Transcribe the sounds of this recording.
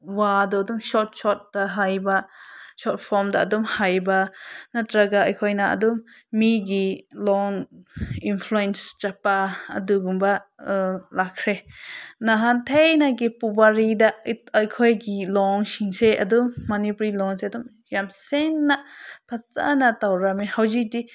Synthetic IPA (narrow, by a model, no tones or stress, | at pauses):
wadɔdumʃɔt̚ʃɔt̚d̥aɦajbaʃɔt̚pʰɔmdaʔɐdumhajbanadɾaɡaʔajkʰɔjnaʔɐ̰dumː | iɡilɔŋ | infʰluɛnst͡ʃapaɐ̰duɡumba | lakʰɾenaɦantʰejnaɡipubaɾidaʔəjkʰɔjɡilɔŋsiŋseʔɐdumːanipɾilɔŋseɐdum | jamseŋːaʔpʰat͡sa̰natawɾamehawzidi